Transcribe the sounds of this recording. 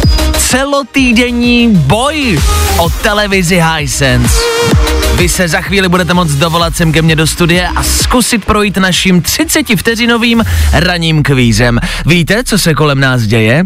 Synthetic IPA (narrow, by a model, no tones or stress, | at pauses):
t͡sɛlot̪iːdɛɲiːbojʔot̪ɛlɛvɪzɪɦajsɛns | vɪsɛzaxviːlɪbudɛt̪ɛmo̞t͡sdovo̞lat̪̚sɛmk̬ɛmɲɛdo̞st̪udɪjɛʔaskusɪt̪pɾo̞jiːt̪naʃiːmt̪r̝̥ɪt͡sɛcɪft̪ɛrɪno̞viːmɾaɲiːmkviːzɛmviːt̪ɛt͡so̞sɛko̞lɛmnaːs̬ɟɛjɛ